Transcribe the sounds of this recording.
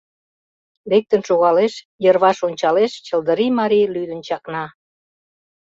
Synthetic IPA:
lek̚t̪ənʃoɣɑleʃ | jərβɑʃonʲt͡ɕɑleʃt͡ɕə̆ld̪əɾimɑɾilyd̪ənt͡ɕɑknɑ

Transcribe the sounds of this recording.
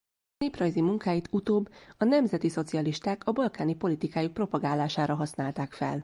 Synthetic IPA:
neːprɒjzimuŋkaːjit̪ut̪oːbːɒnɛmzɛt̪iso̞t̪siɒliʃt̪aːkʰɒbɒlkaːnipo̞lit̪ikaːjuk̚pro̞pɒɡaːlːaːʃaːɾɒɦɒsnaːlt̪aːkfɛ̰l

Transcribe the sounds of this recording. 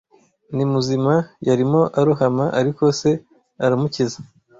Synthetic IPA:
nimuzimajaɾimo̞ʔaɾuɦamaʔaɾiko̞se̞ | aɾamuciza

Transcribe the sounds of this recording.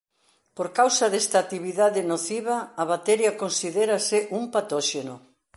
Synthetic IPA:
poɾkawsɐðest̪at̪iβiðaðɪnoθiβɐːβat̪ɛɾjakonsiðeɾasɪʔumpat̪ɔʃeno

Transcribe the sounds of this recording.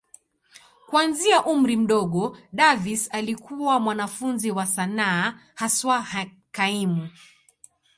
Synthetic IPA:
kwanziaʔum̩ɾim̩ɗɔɠɔɗavisalikuwamwanafunziwasanaː | haswa | kaimu

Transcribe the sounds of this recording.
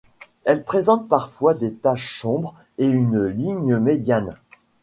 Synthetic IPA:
ɛlpχezɑ̃t̪̚paʁfwad̪et̪aʃsɔ̃bʁ | eynliɲəmed̪jan

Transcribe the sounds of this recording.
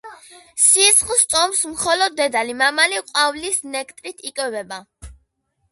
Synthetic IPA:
sit̪sʰχlˠst̪sʼɔmsmχɔlɔd̪̚ːɛd̪alimamaliqʼwavlisnɛkʰt̪ʼɾit̪ʰikʼwɛvɛba

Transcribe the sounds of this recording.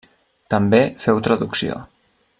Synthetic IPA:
t̪əmbefɛwt̪ɾəðuksio̰

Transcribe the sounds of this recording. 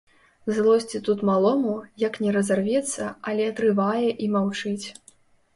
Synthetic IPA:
zlˠɔsʲt͡sʲit̪ut̪malˠɔmujɐknʲɛɾɐzarvʲɛt̪sːɐɐlʲɛɐt̪ɾɨvajɛʔimawt͡ʂɨt͡sʲ

